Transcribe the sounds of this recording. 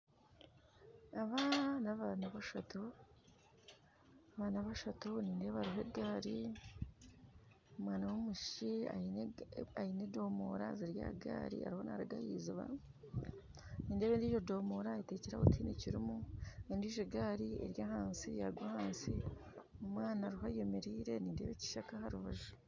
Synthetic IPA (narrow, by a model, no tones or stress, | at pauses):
aβanaβanaβaʃato | aβaːnaβaʃatoniːndeβaɾiɦeɡaːɾi | omwaːnawomuʃia̰ | ajinedo̞ːmo̰ːɾaziɾja̰ːɡa̰ːɾḭa̰ɾiho̞na̰ɾaɡa̰hiːziβa̰ | niːndeβeːndiːʒo̞doːmoːɾaiteːciɾa̰βotʰiniciɾimuendiʒoɡaːɾiḛɾjaɦaːnsija̰ɾɡwahaːnsi | omwaːnaɾiɦajeme̞ɾiːɾe̞niːnde̞ːβeci̥ʃakahaɾuβaʒu